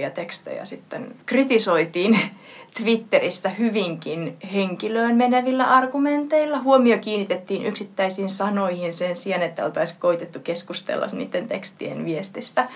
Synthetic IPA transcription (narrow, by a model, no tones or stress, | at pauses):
jɑt̪ekst̪ḛjɑ̰sit̪ːḛnkrit̪isoit̪iːn | t̪ʋit̪ːerisːæhyʋiŋkinheŋkiløːnmeneʋilːæ̰ʔɑrɡument̪eilːɑhuomiokiːnːit̪et̪ːiːnʔy̰ksit̪ːæisiːnsɑnoihinsensiɑnet̪ːæolt̪ɑiskoit̪et̪ːukeskust̪ḛlːɑ̰snḭːt̪ːent̪ekst̪ḭḛnʋiest̪ist̪æ